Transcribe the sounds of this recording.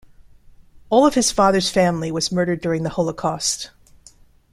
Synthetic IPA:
ɔlˠʌv̥ɨz̥fɑðə˞z̥fæ̃mliwʌzmɜ˞ɾə˞dʊɹɪ̃ŋðəhoʊlˠəkʰɔst

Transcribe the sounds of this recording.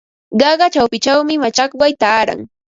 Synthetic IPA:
ɢɑɢɑt͡ʃawpɪt͡ʃawmɪmat͡ʃɑkwajt̪aːɾa̰ŋ

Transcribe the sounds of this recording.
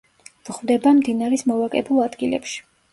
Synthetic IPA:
v̥ʁvd̪ɛbamd̪inaɾɛsmɔvakʼɛbulˠad̪ɡilɛ̰pʃi̥

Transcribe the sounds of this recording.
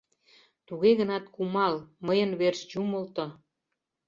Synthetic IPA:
t̪uɣeɣənɑt̪kumɑlməjənβerʃt͡ɕumə̆lt̪ŏ

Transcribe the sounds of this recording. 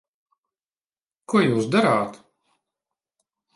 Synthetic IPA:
kuɔjuːsd̪aɾaːt̪

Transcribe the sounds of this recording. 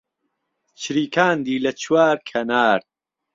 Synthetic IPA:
t͡ʃʰɾiːkʰaːnd̪iːlɐt͡ʃʰwaːɾkʰɐnaːɾ

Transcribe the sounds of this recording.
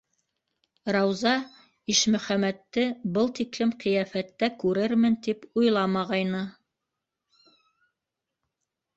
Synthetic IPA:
ɾɑwzɑ | iʃmɵ̆χæmæt̪ːɘbɤlˠt̪iklɘmqĭjæfæt̪ːækʉɾɘɾmɘnt̪ipujlˠɑmɑʁɑjnɤ

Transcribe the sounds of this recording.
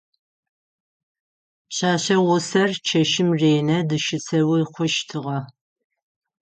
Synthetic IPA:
ɕaːɕɐwʊsɐrt͡ʃʰɐʃɪmreːnɐdɨʃɪt͡sʰɐwiqʷʊʃtʰɨʁɐ

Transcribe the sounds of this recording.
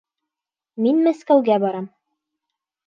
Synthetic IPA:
minmæskæwɡæbɑɾɑm

